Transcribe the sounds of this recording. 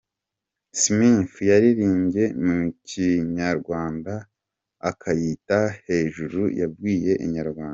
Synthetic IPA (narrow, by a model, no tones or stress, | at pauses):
sminfjaɾiɾiːɲɟe̞mucʰiɲaɾɡwaːnda | akʰajitahe̞ːʒuɾujavɡiːje̞ʔḭɲaɾɡwaːnda